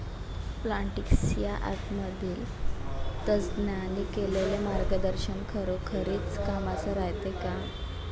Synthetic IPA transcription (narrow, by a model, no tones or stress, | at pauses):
plaɳʈiksijaʔa̰t̪mad̪iːl | t̪ət͡sdnjanikelelemaɾɡəd̪əɾɕənkʰəɾokʰəɾeːt͡skamat͡səɾajt̪eka